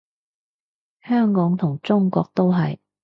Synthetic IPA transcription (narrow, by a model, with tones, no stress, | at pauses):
hœː˥ŋkɔː˨˥ŋt̪ʰʊ˨˩ŋt͡sʊ˥ŋkɔ̰ː˧k̚t̪o˥wɦɐ˨j